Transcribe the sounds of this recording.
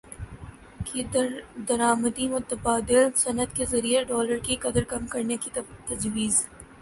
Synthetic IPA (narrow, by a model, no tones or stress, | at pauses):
kid̪ɐɾaːməd̪imʊt̪əbaːd̪ɪlsɐnət̪kezɐɾijeɖɔːləɾkiqɐd̪əɾkɐmkɐɾnekit̪ɐd͡ʒwiːz